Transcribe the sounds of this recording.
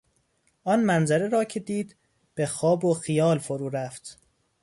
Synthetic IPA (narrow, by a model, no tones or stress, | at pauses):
ʔɒnmænzæɾeɾɒːcʰe̞d̪iːd̪ | b̥exɒːboxijɒːlfoɾuːɾæft̪